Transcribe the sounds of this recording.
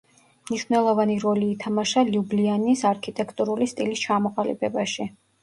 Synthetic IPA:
mniʃwnɛlˠɔvaniɾɔliːt̪ʰamaʃaliublianisaɾkʰit̪ʼɛkʰt̪ʼuɾulist̪ʼilist͡ʃʰamɔqʼalḭbɛbaʃi

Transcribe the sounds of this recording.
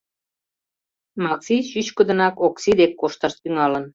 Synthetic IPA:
mɑksijɕyɕkə̆d̪ə̆nɑkoksid̪ekːoʃt̪ə̆ʃt̪yŋɑlə̆n

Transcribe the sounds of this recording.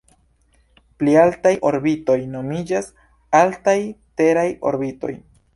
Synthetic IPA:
plialtajʔo̞̰ɾbito̞jno̞mid͡ʒas | altajteɾajo̞̰ɾbito̞̰j

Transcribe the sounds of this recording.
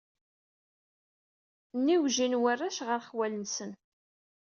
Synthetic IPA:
nːiwʒinwərːaʃʁəɾχwælənsən

